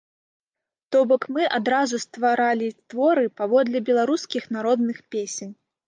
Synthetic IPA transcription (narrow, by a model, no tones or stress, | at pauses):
t̪ɔbɔkmɨʔad̪ɾazust̪vaɾalʲit̪vɔɾɨpavɔd̪lʲɛbʲɛlˠaɾuskʲixnaɾɔd̪nɨxpʲesʲenʲ